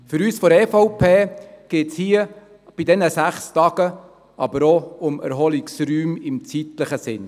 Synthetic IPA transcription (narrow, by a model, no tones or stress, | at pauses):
fʏɾyːsfɔɾɛfɔʊpʰeːɡ̥eːtshiːə | b̥idɛnəsæχstɑːɡ̥ə | ʔɑbəɾoʊmɛ̰ɾɦɔliksryːmɪmt͡sit̪ləχəsɪn